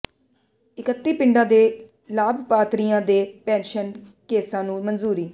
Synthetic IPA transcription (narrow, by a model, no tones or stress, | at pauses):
ɪkət̪ːiːpɪɳɖãːd̪eː | laːbʱpaːt̪ɾijãːd̪eːpɛ̃ːnʃən | keːsãːnũːmənzuːɾiː